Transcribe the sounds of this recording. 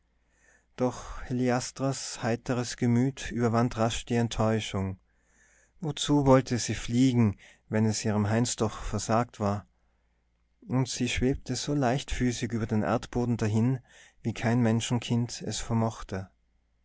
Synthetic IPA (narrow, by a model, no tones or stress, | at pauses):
d̥ɔχheliastʁ̥ashaɪtʰəʁəsɡ̥əmyːtʔyːbɐvantʁaʃd̥iːɛntʰːɔʏʃʊŋ | vot͡suːvɔltʰəz̥iːfliːɡŋ̩ | vɛnɛsʔiːʁəmɦaɪnsd̥ɔχfɛɐzaːk̚tv̥aːɐ | ʔʊntz̥iːʃv̥eːp̚tʰəz̥oːlaɪçtfyːsɪkyːbɐdeːnʔɛ̰ɐtb̥oːdn̩daɦɪnviːkʰaɪnmɛnʃn̩kʰɪntɛ̰sfɛɐmɔχtʰə